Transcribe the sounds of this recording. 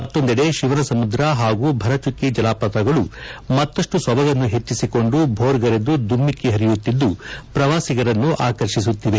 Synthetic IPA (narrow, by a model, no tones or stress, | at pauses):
ɐt̪ːond̪ɛɽe̞ʃiʋɐnɐsɐmud̪ɾɐɦaːɡubʱɐɾɐt͡ʃukːid͡ʒɐlaːpɐt̪ɐɡɐɭumɐt̪ːɐʂʈusʋɐbɐɡɐnːuɦe̞t͡ʃːisiko̞ɳɖubʱoːɾɡɐɾed̪ud̪umːikːiɦɐɾijut̪ːid̪ːupɾɐʋaːsiɡɐɾɐnːuʔaːkɐɾʃis̬ut̪ːiʋe̞